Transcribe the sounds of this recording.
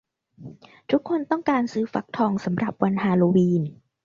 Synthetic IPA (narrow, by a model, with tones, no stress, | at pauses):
t̪ʰu˦˥kʰːo˧nt̪ɔ˥˩ŋkaː˧nsɯː˦˥fa˨˦˥k̚t̪ʰɔː˧ŋsa˩˦mɾa˨˩p̚wa˧nhaː˧loː˧wiː˧n